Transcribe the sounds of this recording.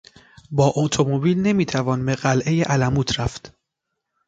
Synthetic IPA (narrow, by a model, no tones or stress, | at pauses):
bɒːʔot̪ʰomobiːlne̞miːt̪ʰævɒːnbe̞ɢælʔe̞jeʔælæmuːt̪ʰɾæft̪